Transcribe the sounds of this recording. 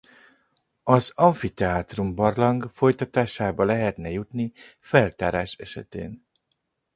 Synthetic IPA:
ɒzɒɱfit̪ɛaːt̪rumbɒrlɒŋɡfo̞jt̪ɒt̪aːʃaːbɒlɛɦɛt̪nɛjut̪nifɛlt̪aːɾaːʃɛʃɛ̰t̪ḛːn

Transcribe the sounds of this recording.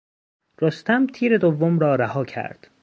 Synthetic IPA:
ɾost̪ʰæmt̪ʰiːɾe̞d̪ovːomɾɒːɾæhɒːcʰæ̰ɾd̪̥

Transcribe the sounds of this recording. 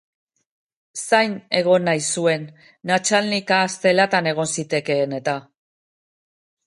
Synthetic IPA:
sajne̞ɣ̞o̞najsue̞nː | at͡ʃalnikaːst̪e̞lat̪ane̞ɣ̞o̞nsit̪e̞ke̞ːne̞t̪a

